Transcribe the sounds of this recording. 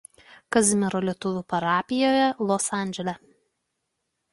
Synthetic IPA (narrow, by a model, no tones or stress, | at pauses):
kɐzʲmʲɪɾoːlʲiɛt̪ʊʋʲʊpɐɾɑːpʲɪjoːjɛlˠɔsɑːˑnʲd͡ʒʲɛlʲɛ